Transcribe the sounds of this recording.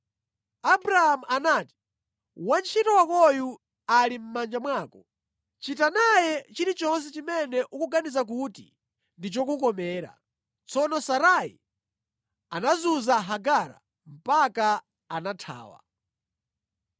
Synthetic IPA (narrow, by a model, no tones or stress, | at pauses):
abɾahamuʔanaːti̥ | want͡ʃʰitɔwakɔju | alim̩mand͡ʒamwaːkɔ | t͡ʃitanajɛt͡ʃiɾit͡ʃɔns̬ɛt͡ʃimɛnɛʔukuɡanizak̬uti | ndit͡ʃɔk̬ukɔmɛːɾa̰ | t͡sɔnɔsaɾaḭ | anazuzaɦaɡaɾa̰ | m̩paka | anatʰa̰ːwa̰